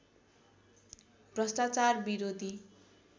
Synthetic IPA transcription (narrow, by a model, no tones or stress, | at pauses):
b̥rʌst̪at͡sarbiɾod̪ʱi